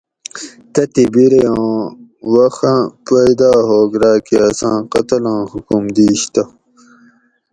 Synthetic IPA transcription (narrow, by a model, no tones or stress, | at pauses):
t̪ɐt̪ibiɾejõː | wɐxãpɐjd̪aːɦoːɡɾaːkiasãːqɐt̪ɐlãːhukumd̪iːɕt̪ɐ